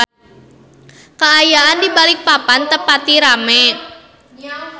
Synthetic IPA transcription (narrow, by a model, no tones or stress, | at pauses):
kaːjaʔandibalik̚papant̪əpat̪iɾamɛt̪̚